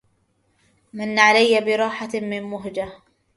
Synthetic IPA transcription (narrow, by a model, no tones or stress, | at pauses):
manːaʕalajːabɪɾˤɑːħamɪnmʊɦd͡ʒa